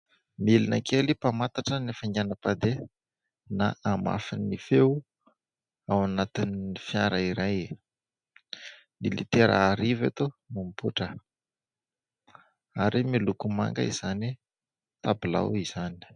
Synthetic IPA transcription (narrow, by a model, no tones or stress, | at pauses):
milina̰kʰelipamat̪aʈ͡ʂənefəŋanəpad̪e | naʔama̰finːife | awanat̪iniifiaɾəiɾaj | nilḭt̪eɾə̰ːɾivat̪omumpuʈ͡ʂə | aɾimilukuma̰ŋɡə̰iz̥ani | t̪abila̰wiz̥ani̥